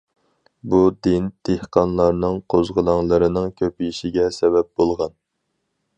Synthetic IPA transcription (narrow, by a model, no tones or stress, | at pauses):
bud̪ɪnd̪̥ehqɑnlˠɑɾnɨŋqʰozʁəlˠɑŋlˠɨɾɨnɨŋkʲʰøpiʃiɡʲɛsɛbɛp̚bolˠʁɑn